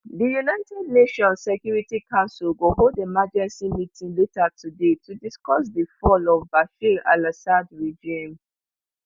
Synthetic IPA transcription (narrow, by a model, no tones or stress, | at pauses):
dijunaɪtɛdneʃɔ̃nsːɛkjuɹitikʰãʊnsulɡoholdemad͡ʒɛ̃nsimitʰĩnletatʰudetʰudiskɔsdəfɔlɔvbaʃila̰lasadɹid͡ʒĩm